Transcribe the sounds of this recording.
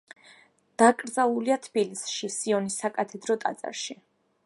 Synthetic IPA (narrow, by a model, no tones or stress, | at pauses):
d̪̥akʼɾd̪zalˠuliat̪ʰb̥ilisʃisiɔnisːakʼat̪ʰɛd̪ɾɔt̪ʼa̰t̪sʼa̰ɾʃi